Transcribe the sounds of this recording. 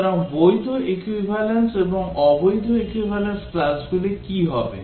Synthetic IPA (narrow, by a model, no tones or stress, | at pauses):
ɾɔŋbojd̪ʱoʔekwibʱalenseboŋɔbojd̪ʱoekwibʱalensklasɡulekiɦɔbḛ